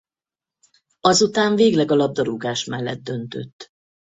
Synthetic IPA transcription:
ɒzut̪aːɱveːɡlɛɡɒlɒb̚d̪ɒɾuɡaːʃmɛlːɛ̰d̪̚ːø̞nt̪ø̞̰t̪ː

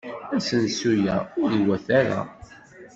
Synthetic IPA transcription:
æsənsujæʊɾiwæθaɾa̰

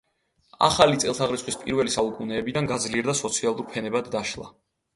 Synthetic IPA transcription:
a̰χalit̪sʼɛlˠt̪ʰaʁɾitsχwispʼiɾvɛlisaukʼunɛːbid̪anɡad̪zliɛɾd̪asɔt̪sʰialˠuɾpʰɛnɛbad̪ːaʃlˠa̰

